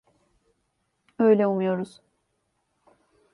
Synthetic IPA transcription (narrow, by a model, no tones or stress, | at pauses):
ø̞jlʲɛumujo̞ɾuz̥